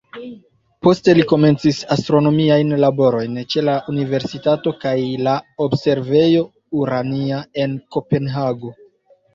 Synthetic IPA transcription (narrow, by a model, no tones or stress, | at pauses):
po̞ste̞liko̞me̞nt͡sisastɾo̞no̞miajnlabo̞ɾo̞jnt͡ʃe̞laʔunive̞ɾsitato̞kajlaobse̞ɾve̞jo̞ | uɾaniae̞nko̞pe̞nɦaɡo̞